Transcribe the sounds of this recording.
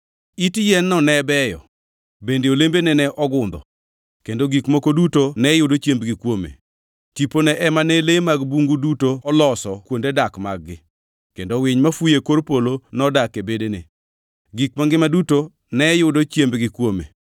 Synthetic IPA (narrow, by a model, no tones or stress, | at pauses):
itjɛnːɔnɛbɛjɔ̰ | bendeolembenɛnɛʔɔɡʊnd̪ɔ̰ | kendoɡikmokodutonɛjʊdot͡ʃjembɡɪkwomḛ | tiponɛʔɛmanɛlemaɡbuŋɡudutoɔlɔsɔkwondedakmaɡːɪ | kendowɪɲmafujekoɾpolonɔdakebedenḛ | ɡikmaŋɡɪmaduto | nɛjʊdot͡ʃjembɡɪkwomḛ